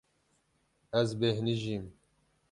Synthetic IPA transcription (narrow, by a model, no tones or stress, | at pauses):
æzbehniʒiːm